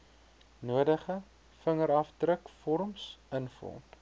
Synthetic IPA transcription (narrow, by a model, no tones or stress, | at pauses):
nuədəχə | fəŋəɾɐfdrəkfɔɾmsənfɔ̰lmp